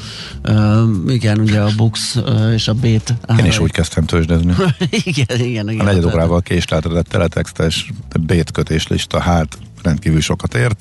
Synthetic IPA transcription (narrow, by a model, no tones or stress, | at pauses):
øːiɡɛnuɟɛɒbukseːʃɒbeːt̪aeːniʃuːckɛst̪ɛmt̪ʰøːʒd̪øzniiɡɛniɡɛniɒnɛɟɛd̪oːɾaːvɒlkeːʃlɛt̪ɛd̪ɛt̪ːɛ̰lɛt̪ʰɛkst̪ɛʃbeːt̪køt̪eːʃlḭʃt̪ɒhaːt̪ | rɛnt̪̚kiːvylʃo̞kɒt̪eːrt̪